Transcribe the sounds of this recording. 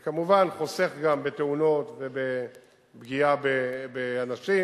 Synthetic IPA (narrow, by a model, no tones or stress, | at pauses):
kamuvanχose̞χɡambet̪euno̞t̪ve̞be | bɡiabebeanaʃi